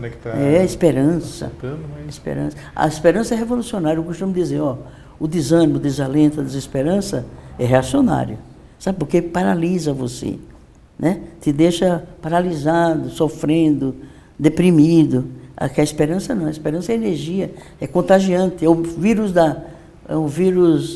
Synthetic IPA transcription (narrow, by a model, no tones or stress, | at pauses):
nɛkt̪ɛɐispeɾɐ̃sɐ̰pispḛɾɐ̰̃sɐɐ̰ispeɾɐ̃sɐɛɦevolusionaɾjuewkost̪ũmd̪izeɾɔ | ʊd̪izɐ̃nĩmʊd̪ezalẽnt̪ʊɐd̪ezispeɾɐ̃sɐɛɦeasiona̰ɾjʊ | sabɪpoɾkepaɾalizɐvosḛ | nʔɛt̪ɪd̪eʃɐpaɾalizad̪ʊsofɾẽnd̪ʊ | d̪epɾimid̪ʊa̰kɛɐispeɾɐ̃sɐnɐ̃w̃ɐispeɾɐ̃sɐɛeneɾʒiɐ | ɛkõnt̪aʒiɐ̃nt̪ɪɛʊviɾʊzd̪ɐ | ɛʊviɾus